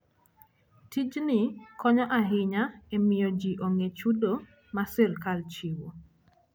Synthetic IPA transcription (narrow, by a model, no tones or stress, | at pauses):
tid͡ʒnɪkʰɔɲɔʔaɦɪɲaemɪjod͡ʒiʔoŋet͡ʃudo | masɪrkalt͡ʃiwo